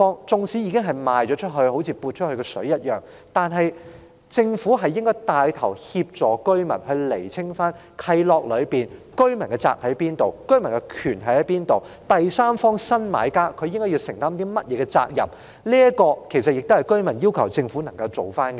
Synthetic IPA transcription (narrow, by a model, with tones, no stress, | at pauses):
ɔː˥ŋt͡sʊ˨˧ŋsʰiː˨˥jiː˨˧kɪ˥ŋɦɐ˨jmaː˨jt͡ʃɔː˨˥t͡ʃʰɵ˥t̚ɦɵ˧ho˨˥wt͡sʰiː˧puː˧t̚t͡ʃʰɵ˥t̚hɵ˧kɛ˧sɵ̰˨˥jɐ˥t̚jœː˨˩ŋ | t̪aː˨nɦɐ˨j | t͡sɪ˧ŋfuː˨˥ɦɐ˨jːɪ˥ŋkɔː˥jt̪aː˧jt̪ʰɐ˨˩whiː˧p̚t͡ʃɔː˨˧kɵ˥ɥmɐ˨˩nhɵ˧ɥle˨˩jt͡sʰɪ˥ŋfaː˥n | kʰɐ˧jlɔː˨k̚lɵ˨˧ɥpiː˨˩nkɵ˥ɥmɐ˨˩nkɛ˧t͡sa̰ː˧˥k̚hɐ˨˥jpiː˥nt̪o˨wkɵ˥ɥmɐ˨˩nkɛ˧kʰyː˨˩nɦɐ˨˥jhɐ˨˦jpiː˥nt̪o˨w | t̪ɐ˨jsaː˥mfɔː˥ŋsɐ˥nma̰ː˨˧jkaː˥kʰɵ˨˧jɪ˥ŋkɔ˥ji˧sɪ˨˩ŋt̪aː˥mt̪i˥mɐ˥t̚jɛː˨˧ɡɛ˧t͡sa̰ː˧k̚jɐ̰˨˩p̚ | liː˥ɐkɔː˧kʰe˨˩sɐ˨t̚jɪ˨k̚t̪hɐ˨˩jkɵ˥ɥmɐ˨˩njiː˥wkʰɐ˨˩wt͡sɪ˧ŋfuː˨˥nɐ˨˩ŋkɐ˧wt͡so˨wfaː˥nkɛ